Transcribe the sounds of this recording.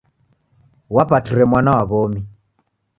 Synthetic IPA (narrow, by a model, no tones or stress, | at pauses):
wapatiɾɛmwanawaɣɔmi